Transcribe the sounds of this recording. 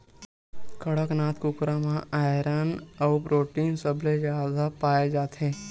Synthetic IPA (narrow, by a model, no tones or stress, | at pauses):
kəɽəknaːt̪kʊkɾamãaːjɾaːnɔʊpɾoːʈiːnsəbʱled͡ʒaːd̪apaːjed͡ʒaːt̪ɦẽː